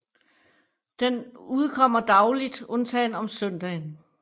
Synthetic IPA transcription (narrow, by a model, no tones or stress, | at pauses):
d̥enuðˠkʰɒ̽m̰ɐd̥ɑ̈ʊlid̥ɔ̽nt͡sʰɛːnɒ̽msœn̰d̥ɛːn